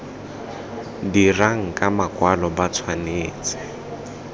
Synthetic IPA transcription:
diraŋ̩kʼamakʼwalɔbat͡sʰwaneːt͡sɛ̥

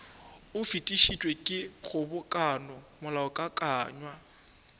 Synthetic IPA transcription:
ʊfitʼiʃitʼwekʼɪχʊbʊkʼanɔmʊlaɔkʼakʼaːɲwa

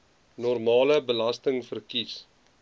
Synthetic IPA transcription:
nɔrmɑːləbəlɐstəŋfərkis

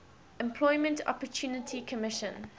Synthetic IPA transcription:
ɛ̃mpʰl̥ɔɪmə̃ntʰɔ̰pətʰuːnətʰikʰəmɪʃə̃n

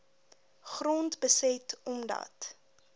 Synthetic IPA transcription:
χrɔntbəsɛtɔmdɐ̰t

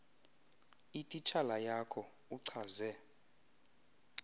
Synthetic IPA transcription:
itʼit͡ʃʰalajakʰɔ | uǀʰazɛ

